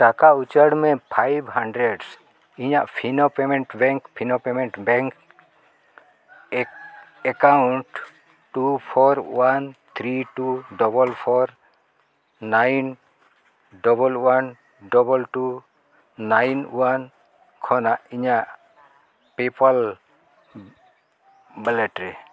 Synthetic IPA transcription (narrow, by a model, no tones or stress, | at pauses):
ʈakaut͡ʃəɽmɛpʰajbhaɳɖɾɛɖs | iɲaʔpʰinopɛmɛɳʈbɛ̃ŋkpʰinopɛmɛɳʈbɛ̃ŋk | ɛkawɳʈ | ʈupʰɔɾwant̪ʰɾiʈuɖɔbɔlpʰɔɾ | najn | ɖɔbɔlwan | ɖɔbɔlʈuː | ajnṵwan | kʰɔnaʔiɲaʔ | pipal | bɛlɛʈɾɛ